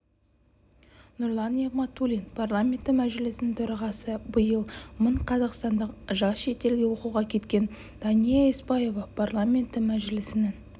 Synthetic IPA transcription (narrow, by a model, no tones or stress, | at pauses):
nʊɾlˠɑneʁmɑt̪ːulʲinpʰarlˠamʲe̞nt̪ːɪmæʒɪlɪsɪnɪnt̪ʰɵɾɑʁɑsəbəjəlˠməɴqʰɑzɑqst̪ɑnd̪əqʒɑsʃe̞t̪e̞lɡʲe̞wo̞quʁɑkʲʰe̞t̪kʲe̞n | d̪̥ɑnijaesbɑje̞vɑpʰarlˠamʲe̞nt̪ːɪmæʒɪlɪsɪnɪn